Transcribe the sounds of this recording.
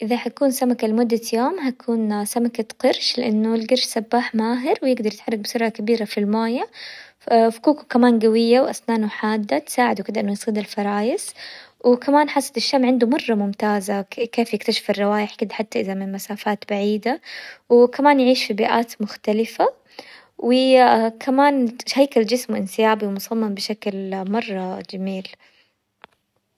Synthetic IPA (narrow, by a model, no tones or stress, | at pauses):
ʔɪðahakuːnsamakalɪmʊd̪ːajoːmɦakʰuːnsamakaqɪɾʃlɪʔanːʊlɡɪɾʃsabːaːħmaːɦɪɾwjɪɡd̪ɑɾˤjɪt̪ħɑrˤːɑk̚bɪsʊɾˤʕɑkabiːɾafilmaːja | fi̥kuːku̥kamaːnɡawɪjːawʔasnaːnuħaːd̪ːat̪saːʕɪd̪wkɪd̪aʔɪnːʊjsˤiːd̪ɪlfɑɾˤɑːjɪswkamaːnħɑsˤd̪ɪʃːaːmʕɪnd̪umɑrˤːɑmʊmt̪aːzakeːfjɪkt̪aʃɪ̥fɪrˤːɪwaːjɪħkɪd̪aħat̪ːaʔɪðamɪnmasaːfaːt̪baʕiːd̪awɪkamaːnjʕiːʃfibiːʔaːt̪mʊxt̪alɪfa | wɪkʰamaːnhajkald͡ʒɪsmʔɪnsɪjaːbiwmʊsˤɑmːambɪʃaklmɑrˤːɑd͡ʒamiːl